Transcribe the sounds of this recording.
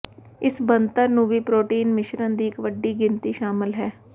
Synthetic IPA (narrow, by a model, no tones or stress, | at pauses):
ɪsbənt̪əɾnũːʋiːpɾoːʈiːnmɪʃɾənd̪iːɪkʋəɖːiːɡɪnt̪iːʃaːmɪlɦɛː